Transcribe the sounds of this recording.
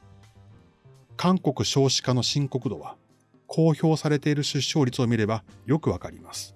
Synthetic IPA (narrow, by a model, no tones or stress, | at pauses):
kãŋko̞kɯ̟ɕo̞ːɕi̥kano̞ɕĩŋko̞kɯ̟d̪o̞βa | kʰo̞ːço̞ːsaɾe̞t̪e̞iɾɯ̟ɕɨɕːo̞ːɾʲit͡sɨo̞mʲiɾe̞bajo̞kɯ̟βakaɾʲḭmasɨ̥